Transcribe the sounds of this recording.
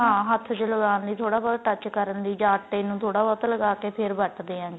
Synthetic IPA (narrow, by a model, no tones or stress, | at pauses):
ɦãːɦət̪ʰt͡ʃləɡaːnliːt̪ʰoːɽaːbɔːʈət͡ʃkəɾənd̪iːd͡ʒaːʈːenũːt̪ʰoːɽaːbɔːt̪ːləɡaːkeːpʰɪɾbəʈd̪eːɦãːɡeː